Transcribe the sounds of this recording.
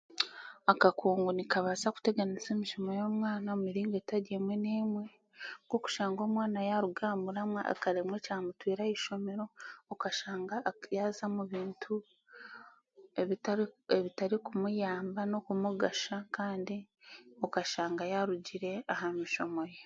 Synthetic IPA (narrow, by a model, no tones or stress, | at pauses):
akakʰuːŋɡunikaβazaku̥te̞ɡanize̞ːmiʃo̞mojo̞ːmwaːnaomiɾiːŋɡe̞taɾemwe̞neːmwe̞ | ɡo̞ku̥ʃaːŋɡo̞ːmwaːnajaɾuɡaːmuɾamwa̰a̰kaɾemwe̞caːmutwiːɾaiʃo̞me̞ɾo̞ːkaʃaːŋɡajazamuβiːntʰu | eeβitaɾikumujaːmbano̞kumuɡaʃakaːndi | o̞kaʃaːŋɡajaɾuɟiɾe̞ahamiʃo̞mo̞je